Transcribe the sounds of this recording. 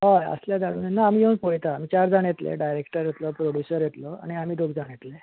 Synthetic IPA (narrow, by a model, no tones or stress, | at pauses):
ɦajə̰sljad̪aɽunnaːmijewnpojt̪aːmiːt͡ɕaɾd͡zaɽ̃et̪lḛɖajɾekʈəɾjet̪lɔpɾoɽjusəɾjet̪lɔa̰ɽ̃iam̤iːd̪oɡd͡zaɽ̃et̪le